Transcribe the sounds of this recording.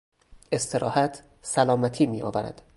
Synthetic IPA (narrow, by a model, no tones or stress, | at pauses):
e̞st̪ʰe̞ɾʔɒːhæt̪ʰ | sælɒːmæt̪ʰiːmiːɒ̰ːvæɾæ̰d̪̥